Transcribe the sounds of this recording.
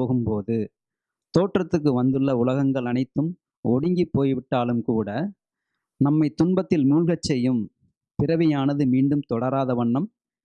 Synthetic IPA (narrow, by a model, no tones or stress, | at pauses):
oːɣɯmpoːðɯ | t̪oːʈrɐt̪ːɯk̬ːɯʋɐnd̪ɯɭːɐʊlɐɣɐŋɡɐɭɐnɐɪt̪ːɯm | ɔɽɪŋɡipːoːjʋɪʈːaːlɯmkuːɽɐ | nɐmːɐɪt̪ʊɳbɐt̪ːɪlmuːlɣɐt͡ʃːɛjːɯm | pɪɾɐʋɪjaːnɐðɯmiːɳɖɯmt̪ɔɽɐɾaːðɐʋɐɳːɐm